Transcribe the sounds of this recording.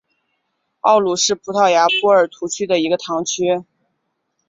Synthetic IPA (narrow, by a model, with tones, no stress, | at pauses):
ɑ˥˩ʊlu˥˩ʂɻ̩˥˩pʰu˧˥t̪ʰɑ˥˩ʊja˧˥pʰu˥ə˞˨˩t̪ʰu˧˥t͡ɕʰy˥d̪ə˨i˧˥ɡə˧t̪ʰɑ˧˥ŋt͡ɕʰy˥